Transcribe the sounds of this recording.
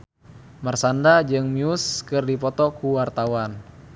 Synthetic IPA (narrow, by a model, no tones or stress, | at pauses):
marsandad͡ʒɨŋmiuskɨrdipɔt̪ɔkuwart̪awan